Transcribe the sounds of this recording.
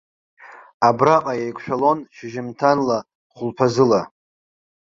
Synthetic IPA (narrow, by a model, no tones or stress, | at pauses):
abraqʼajejkʷʰʼʃᶣalo̞nʃɪʒɪmtʰanla | χʷʊlpʰazɨla